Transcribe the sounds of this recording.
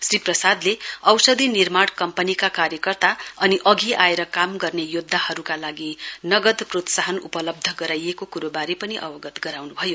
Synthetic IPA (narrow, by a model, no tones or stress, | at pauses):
sriprʌsad̪leʌwsʌd̪ʱinirmaɽkʌmpʌnikakaɾjʌkʌrt̪aʌniʔʌɡiaeɾʌkamɡʌrnejod̪ʱːahʌɾukalaɡinʌɡʌd̪prot̪saɦʌnṵpʌlʌb̚d̪ʱʌɡʌɾajekokuɾobaɾipʌniʔʌ̰wʌɡʌt̪ɡʌɾawnubʱʌjo